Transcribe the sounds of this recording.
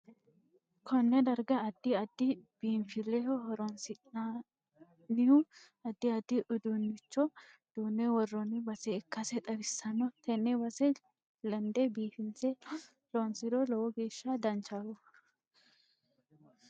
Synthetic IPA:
kʰɔnːɛd̪ɐɾɡɐːd̪ːɪɐd̪ːɪb̥iːnfɪlɛhɔhɔɾɔnsɪa | nɪhʊ | ɐd̪ːɪɐd̪ːɪʔʊd̪unːɪt͡ʃːɔ | d̪̥uːnːɛwɔrːɔnɪbɐsɛɪkːɐsɛt̪ʼɐbɪsːɐnːɔt̪ʰɛnːɛbɐsɛ | lɐnd̪ɛbiːfɪnsɛ | lonsɪd̪ɔlɔwɔɡeːʃːɐd̪ɐnt͡ʃaːɡɔ

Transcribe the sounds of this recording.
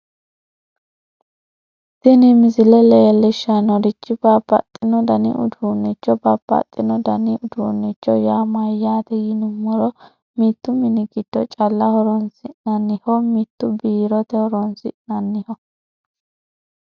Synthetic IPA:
sɪnɪmɪzɪlɛlɛɛlːɪʃːanɔdɪt͡ʃːɪbapːɐ̰t̪ʼːɪnɔd̪ɐnɪ̰ʔʊ̰d̪unːɪt͡ʃːɔbɐpːɐ̰t̪ʼːɪnɔd̪ɐnɪʔʊd̪unːɪt͡ʃːɔjaːmɐjːaːt̪ɛɡɪnʊmːɔɾɔ | mit̪ːʊmɪnɪɡɪd̪̥ɔt͡ʃʼɐlːɐhɔɾɔnsɪʔnɐnːɪhɔmit̪ːʊbiːɾɔt̪ɛhɔɾɔnsɪ̰ʔnɐnːɪhɔ

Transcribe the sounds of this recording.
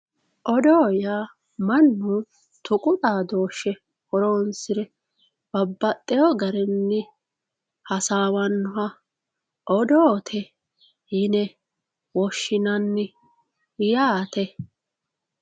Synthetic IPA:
ʔɔd̪oːjaː | mɐnːʊ | t̪ʊkʼʊt̪ʼaːd̪oːʃːɛ | hɔɾoːnsɪɾɛ | b̥ɐbːɐt̪ʼːɛjɔɡɐɾɛnːɪ | hɐsaːwɐnːʊɐ | ʔɔd̪oːt̪ʰɛ | jɪnɛ | wɔʃːɪnɐnːɪ | jaːt̪ɛ

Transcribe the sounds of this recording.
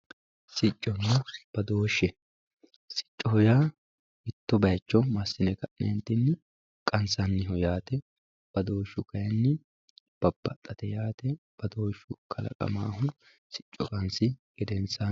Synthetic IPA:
sɪt͡ʃʼːɔnɛb̥ɐd̪o̞ːʃːɛ | sɪ̥t͡ʃʼːɔhɔjaː | ɪt̪ːɔbɐjt͡ʃːɔmɐsːɪnɛkɐʔnɛ̰nt̪ːɪnːɪ | kʼɐnsɐnːɪɦɔjaːt̪ɛ | b̥ɐd̪o̞ːʃːʊkɐjɛnːɪ | b̥ɐb̥ːɐt̪ʼːɐt̪ɛjaːt̪ɛ | b̥ɐd̪o̞ːʃːʊkʰɐlɐ̰kʼɐ̰ma̰ːhʊ | sɪ̥t͡ʃʼːɔkʼɐnsɪɡ̥ɛd̪ɛnsaː

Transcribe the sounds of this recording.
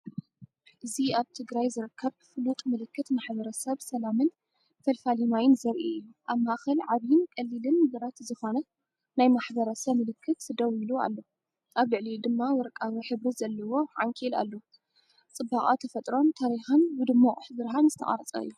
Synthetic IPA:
ʔɨziaβt̪ʰɨɡɾajzɨɾɨkʰːɐβfɨlut̪ʼmɨlɨkːɨt̪maħbɐɾɐsɐβsɐlamɨn | fɐlfalimajɪnzɐɾʔiɨjːuʔaβmaʔxɐlʕaβjɪnkʼɐlːilɨnɨɡɐɾat̪zɨxo̞nɐ | najmaħbɐɾɐsɐβmɨlɨkʰːɨt̪d̪ɐwilua̰lːo̞ | ʔaβlɨʕlid̪ɨmːawɔɾkʼaβiħɨβɾizɐlːɐwo̞ʕaŋkʼila̰lːo | t͡sʼɨbaχʼat̪ʰɐfɐt̪ʼɾo̞nt̪ʰaɾixanbɨd̪ɨmːaʔʼħzɨɾɦanzɨt̪ʰɐ̰χʼa̰ɾɐt͡sʼɐ̰ɨ̰jːu

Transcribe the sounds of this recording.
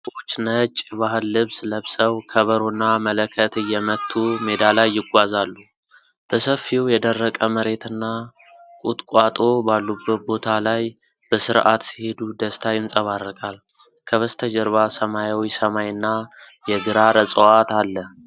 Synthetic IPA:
swot͡ʃːnət͡ʃʼːbaɦɨlːɨβsləβsəwkʰəβəɾonːamələkʰət̪ɨjːɛmət̪ʰːumed̪alajːɪɡʷazalːu | b̥əsəfːiwjɛd̪ərːəkʼəməɾe̞t̪ʰɨnːa | kʼut̪ʼkʼwat̪ʼo̞balːubːət̪̚bo̞t̪ʰalaj | b̥əsɨɾʔat̪si̥he̞d̪ud̪əst̪ʰajɪnsʼəβarːəkʼal | kʰəβəst̪ʰəd͡ʒɛɾβasəmajawisəmajɨnːa | jɛɡɨɾaɾət͡sʼəwat̪alːə

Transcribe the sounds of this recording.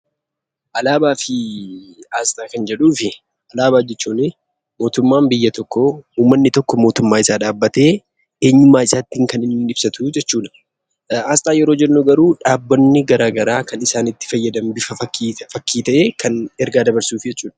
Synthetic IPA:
ʔɐlaːbaːfɪ | aːst̪ʼaːkɐnd͡ʒɛᶑuːfɪ | ɐlaːbaːd͡ʒɛt͡ʃːuːnɪ | mo̞ːt̪ʊmːaːmbɪjːɐt̪ɔkːɔuːmːɐnːɪt̪ɔkːɔmo̞ːt̪ʊmːaːɪsaːᶑaːbːɐt̪e̞ː | eːɲːʊmːaːɪsaːt̪ːiːŋkɐnɪnːɪbsɐt̪ʰʊd͡ʒɛt͡ʃːuːᶑɐ̥ | aːst̪ʼaːjɛɾoːd͡ʒɛnːuɡɐɾuːᶑaːbːɔnːɪɡɐɾaːɡɐɾaːkɐnɪsaːnɪt̪ːɪ̥fɐjːɐd̪ɐmbɪfɐfɐiːfɐkːiːt̪ɐʔe̞ːkɐnɛɾɡaːd̪ɐbɐɾsuːfd͡ʒɛt͡ʃːuːᶑɐ̥

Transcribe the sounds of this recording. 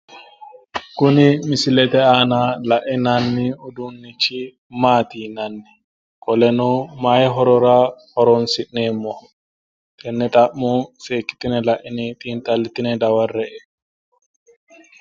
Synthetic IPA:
kunimisilɛtɛanalaʔinanːiɔdunːit͡ʃi | matinanːi | kɔlɛnɔmajɦɔɾɔɾahɔɾɔnsiɗnɛmɔ | tʰɛnːɛtaʔːɔfeki̥tinɛlaʔinitʼintalːitinɛdawarːɛɛ

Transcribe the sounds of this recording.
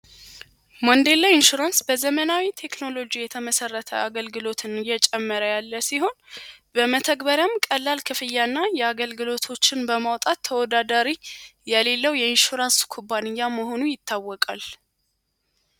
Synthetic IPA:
mond̪e̞lːaɪnʃuɾansbəzəmənawit̪ʰe̞kno̞lod͡ʒijɛt̪ʰəməsərːət̪ʰə̰aɡəlɡɨlo̞t̪ʰɨnɨjːɛt͡ʃʼɛmːəɾəjalːəsiho̞nbəmət̪ʰəɡbəɾjamkʼəlːalkʰɨfɨjːanːajɛaɡəlɡɨlo̞t̪ʰo̞t͡ʃːɪnbəmawt̪ʼat̪ʰːəwɔd̪ad̪aɾijɛle̞lːəwjɛɪnʃuɾanskʰubːanɨjːaməɦo̞nujɪt̪ʰːawːɔkʼal

